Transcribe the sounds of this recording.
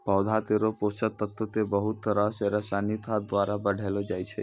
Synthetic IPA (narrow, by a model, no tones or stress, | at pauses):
pɔwd̪ʱat̪eɾoposət̪ːət̪ːət̪ebəɦutt̪ːəɾaseɾəsanit̪ʰad̪ʋaɾabəɽʱelod͡ʒaːjt͡ʃʰe